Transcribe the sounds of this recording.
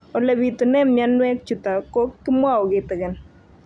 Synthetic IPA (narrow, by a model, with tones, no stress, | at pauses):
o˨le˨bi˨t̪o˨nɛ˦mja˦nwɛ˦k̚t͡ʃu˨t̪a˨ko˦kːɪ˦mwa˦ɔ˨ɡɪ˨t̪ɡɪ˨n